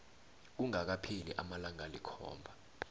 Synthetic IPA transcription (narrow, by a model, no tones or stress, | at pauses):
k̬uŋak̬apʰilḭʔamalaŋalikʰɔ̰ːmbʱa